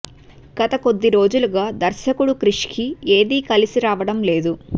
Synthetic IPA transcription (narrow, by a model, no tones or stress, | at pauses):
ɡ̥ɐt̪ɐko̞d̪ːiɾo̞ːd͡ʒuluɡaːd̪ɐɾʃɐkuɽukɾiʂkie̞ːd̪iːkɐlisiɾaːʋɐɽɐmle̞ːd̪u